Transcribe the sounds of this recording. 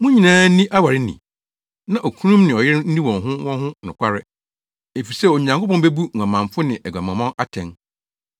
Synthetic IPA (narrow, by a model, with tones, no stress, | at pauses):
mʊ̃˦ɲĩ˨nãː˦n̩˦nĩ˦ʔa˦wa˨ɾɪ˦nḭ̃˨ | nã˦˨ʔo˨kʰũ˦nũ˦mnɪ̃˨ɔ˨jɪ˦ɾn̩˦nĩ˦wɔ̃˨nɦʊ̃˦wɔ̃˦nɦʊ̃˦nʊ̃˨kʷʰa˦ɾɪ˦ | e˨fi˨sɛ˦˨o˨ɲ˨ã˨ŋkʰo˦pɔ̃˦n˦be˦bu˦ŋ̩˨ã˨mã˨mfʊ˦nɪ̃˨ʔɛ˨ɡʷa˨mã˨mã˦na˦tʰɛ̃˨n